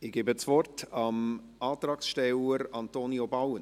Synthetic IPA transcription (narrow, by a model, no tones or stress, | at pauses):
ɪɡ̥eːbət͡svɔrtɑm | ɑːt̪ɾɑːksʃtɛləɾɑnt̪oːniobawən